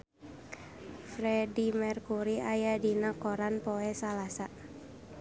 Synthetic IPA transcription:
fɾɛdimɛrkuɾiajadinakɔɾanpoɛsalasa

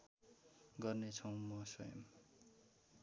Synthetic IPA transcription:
ɡʌrnet͡sʰʌ̃w̃mʌsʌjʌ̰m

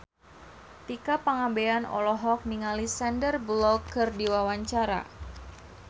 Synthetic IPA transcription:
t̪ikapaŋabeanɔ̰lɔɦɔk̚niŋalisɛndərblɔkːɨrdiwawaɲt͡ʃaɾa̰

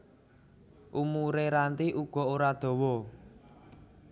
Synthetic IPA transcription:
ʔumuɾeɾant̪iʔuɡ̥ɔ̤oɾad̪̥ɔ̤wɔ

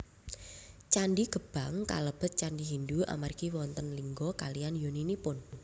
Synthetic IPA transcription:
t͡ʃanɖiɡ̥ə̤b̥a̤ŋka̰ləb̥ət̪̚t͡ʃanɖiɦindua̰markiwɔnt̪ənliŋɡɔkalijanjoninipʊn

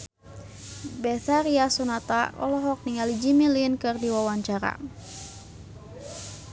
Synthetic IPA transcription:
bɛθaɾiasɔnat̪aɔ̰lɔɦɔk̚niŋalid͡ʒimilinkɨrdiwawaɲt͡ʃaɾa̰

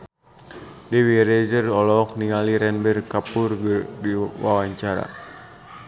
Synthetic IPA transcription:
dɛwiɾɛzərɔlɔk̚niŋaliɾɛnbərkapurɡədiwa̰waɲt͡ʃaɾa̰

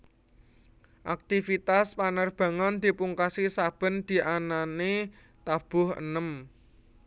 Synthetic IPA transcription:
ʔak̚t̪ifit̪aspanərb̥ä̤ŋɔnd̪̥i̤puŋkasisab̥ə̤nd̪̥i̤ʔanane | t̪ab̥ʊhə̰nəm

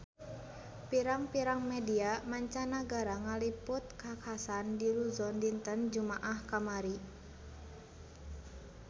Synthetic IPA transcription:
piɾaŋpiɾaŋmɛdiamaɲt͡ʃanaɡaɾaŋalipʊt̪̚kakʰasandiluzɔndint̪ənd͡ʒumaʔahkamaɾi

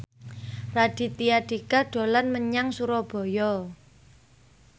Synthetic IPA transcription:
rad̥i̤t̪iaɖ̥ikaɖ̥o̤lanməɲaŋsuɾɔb̥ɔ̤jɔ

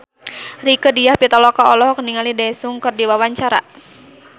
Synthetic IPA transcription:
rikədijahpit̪ɔlɔkaɔlɔhkəniŋalidasuŋkərdiwawaɲt͡ʃaɾa̰

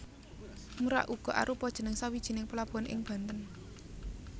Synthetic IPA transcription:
muɾa̰ʔuɡ̥ɔ̤ʔa̰ɾʔupɔd̥ʒ̥ə̤nəŋsawid̥ʒ̥i̤nɪŋpəlab̥uanʔɪ̰ŋb̥a̤nt̪ən

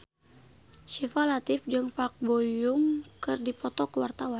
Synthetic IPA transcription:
ʃifalat̪ifd͡ʒəŋfak̚bɔjuŋkɨrdipɔt̪ɔkəwart̪awan

